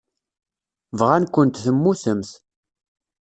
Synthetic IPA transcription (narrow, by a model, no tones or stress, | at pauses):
vʁænkʷːənt̪θəmːuθəmθ